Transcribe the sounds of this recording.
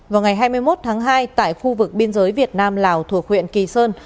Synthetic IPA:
vaː˨˩wŋa˨˩jɦaː˧jmɨ˧əjmo˦˥t̚t̪ʰaː˨˦ŋɦaː˧jt̪a̰ː˧˨jxu˧vɨ˨˩k̚ɓi˧ənzəː˨˦jvi˨˩ət̚naː˧mlaː˨˩wt̪ʰu˧˩ək̚hwḭ˧˨ənki˨˩səː˧n

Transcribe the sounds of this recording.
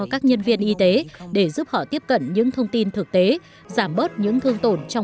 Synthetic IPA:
kaː˦˥k̚ɲə˧nvi˧ənʔi˧t̪e˨˦ɗe˧˩zu˦˥p̚hɔ̰˧˨t̪i˦˥əp̚kə̰˧˨nɲɨ̰˧˥ŋt̪ʰə˧wŋ͡mt̪i˧nt̪ʰɨ˨˩k̚t̪e˨˦ | zaː˧˩mɓo˦˥t̚ɲɨ̰˧˥ŋt̪ʰɨ˧əŋt̪o˧˩nt͡ɕɔ˧w

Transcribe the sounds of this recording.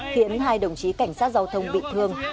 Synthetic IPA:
xi˨˦ənɦaː˧jɗə˨˧˩wŋ͡mt͡ɕi˨˦ka˧˩jŋ̟saː˦˥t̚za˧wt̪ʰə˧wŋ͡mɓḭ˧˨t̪ʰɨ˧əŋ

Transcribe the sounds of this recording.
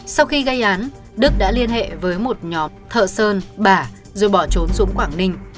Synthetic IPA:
sa˧wxi˧ɣə˧jʔaː˨˦n | ɗɨ˦˥k̚ɗa̰ː˧˥li˧ənɦḛ˧˨vəː˨˦jmo˨˩t̚ɲɔ˨˦mt̪ʰə̰ː˧˨səː˧nɓaː˧˩ | zo˨˩jɓɔ˧˩t͡ɕo˨˦nzʊ̰˧˥ŋ͡mkwaː˧˩ŋnï˧˩ŋ̟

